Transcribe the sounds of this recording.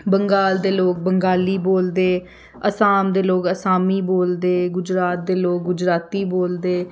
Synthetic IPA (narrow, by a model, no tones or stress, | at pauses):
bəŋɡaːld̪eːloːk̚bəŋɡaːliːboːld̪eː | əsaːmd̪eːloːkəsaːmiːboːld̪eːɡʊd͡ʒɾaːt̪̚d̪eːloːk̚ɡʊd͡ʒɾaːt̪iːboːld̪eː